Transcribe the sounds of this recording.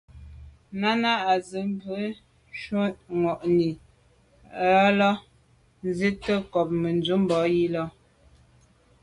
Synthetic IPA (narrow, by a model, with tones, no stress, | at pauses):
na˦na˦a˨zə˨˦m˦bə˨˦ | ʃo˦ŋɔ˨ʔni˨ | ə˦lɔ˦ | n˦ze˦tə˦kɔ˨p̚mə˨n˨d͡zu˦m˦bɔ˨˦ji˦lɔ˦